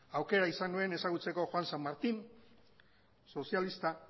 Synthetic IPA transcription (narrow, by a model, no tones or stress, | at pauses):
awke̞ɾaisandue̞ne̞saɣut͡se̞ko̞xwansamːaɾt̪in | so̞sialist̪a